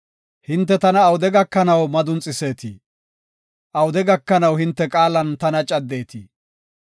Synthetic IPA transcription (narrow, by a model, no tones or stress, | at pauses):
hɪnt̪̬ːɛt̪ɐnɐːwʊd̪ɛɡɐkːɐnɐwmɐd̪ʊnt͡sʼːɪse̞ːt̪ʰḭː | ʔɐwʊd̪ɛɡɐkːɐnɐwhɪnt̪ːɛkʼaːlɐnt̪ɐnɐt͡ʃʼɐd̪ːe̞ːt̪iː